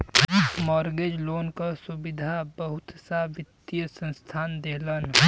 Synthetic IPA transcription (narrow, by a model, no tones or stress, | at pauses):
mɔːɾɡed͡ʒloːnkasubid̪ʱabəɦʊt̪sabɪt̪ːjəsə̃nst̪ʰaːnd̪eːlən